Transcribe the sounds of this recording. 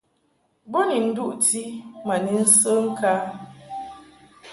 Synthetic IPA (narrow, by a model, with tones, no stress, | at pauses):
bo˦ni˨n̩˦du˦ʔti˦ma˨ni˨˦n̩˦sə˦ŋ̩˦ka˦